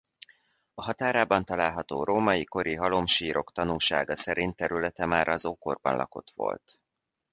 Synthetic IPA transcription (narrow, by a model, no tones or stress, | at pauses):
ɒɦɒt̪aːɾaːbɒnt̪ɒlaːlɦɒt̪o̰ːɾoːmɒjiko̞ɾiɦɒlo̞mʃiːɾʔo̞kt̪ɒnuːlʃa̰ːɡɒsɛɾint̪ɛɾylɛt̪ɛmaːɾʔɒzoːko̞rbɒ̰nlʔɒ̰ko̞̰t̪ʋo̞̰lt̪